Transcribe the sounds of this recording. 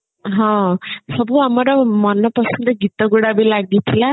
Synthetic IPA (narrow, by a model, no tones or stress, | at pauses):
ɦɔ̃sʌbuamʌɾɔmʌnːʌpʌsnd̪ʌɡit̪ːʌɡuɽabejlaɡ̚d̪it̪ʰila